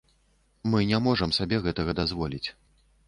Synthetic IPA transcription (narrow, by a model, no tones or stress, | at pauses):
mɨnʲamɔʐɐmsabʲɛɣɛt̪ɐɣɐd̪azvɔlʲit͡sʲ